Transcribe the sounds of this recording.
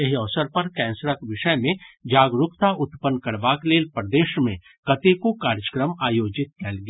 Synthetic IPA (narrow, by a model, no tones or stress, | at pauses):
eɦɔʋsəɾpɐɾkɛ̃ːnsɾakʋɪʃəjmẽd͡ʒaːɡɾʊkt̪aʔʊt̪pənkɐɾbaːkleːlpɾd̪eːʃmḛ̃ | kɐt̪ekokaːɾd͡ʒəkɾəmaːjoːd͡ʒɪt̪̚kɛːlɡjaː